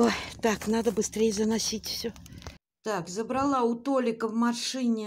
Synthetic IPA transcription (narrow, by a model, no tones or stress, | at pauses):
ot̪aknad̪əbɨst̪ɾʲejzənɐsʲitʲfsʲɵ | t̪akzəbɾɐlˠaʊt̪olʲɪkəvmaʂɨnʲɪ